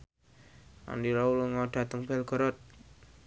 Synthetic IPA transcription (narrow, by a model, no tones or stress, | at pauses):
a̰ndiɾɔuluŋɔɖ̥a̤t̪əŋb̥ɛlɡ̥ɔ̤ɾɔt̪̚